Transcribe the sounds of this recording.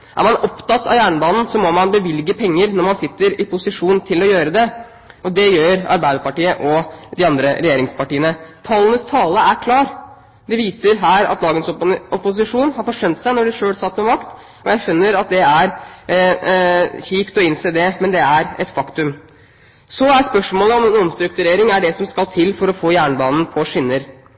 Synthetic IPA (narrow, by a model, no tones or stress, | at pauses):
ʔæ̰ɾmɑnɔpt̪ɑt̪ːɑ̰ʋjæːɳəbɑːnn̩sɔmɔmɑnbəʋɪlɡəpʰɛŋːəɾnɔɾmɑnsɪt̪ːəɾɪpʰʊsɪʂuːnt̪ʰɪlɔjøːɾəd̪ɛ | ɔd̪ɛjøːɾɑ̰ɾbæɪd̪əɾpɑʈiːəʔɔd̪ɪɑnd̪ɾəɾɛjeːɾɪŋspɑʈiːənət̪ʰɑːlənəst̪ʰɑːləæɾkʰlɑːɾ | d̪ɛʋiːsəɾɦæːɾɑ̰t̪lɑːɡənsʔɔpʊs̬ɪʂuːnhɑɾfɔʂœnt̪sæɪnɔɖɪʂøːlsɑt̪ːmɛmɑkt̪ | ɔjæɪfʏnːəɾɑt̪̚d̪ɛæɾ | çiːpt̪ɔɪnseːd̪ɛmɛnd̪ɛæɾɛt̪fɑkt̪ʉm | sɔæspœʂmoːləɔmɛnɔmst̪ɾʉk̚t̪ʉɾeːɾɪŋæɖɛsɔmskɑlt̪ʰɪlːfɔɾɔfoːjæːɳbɑːnn̩pʰɔʂɪnːəɾ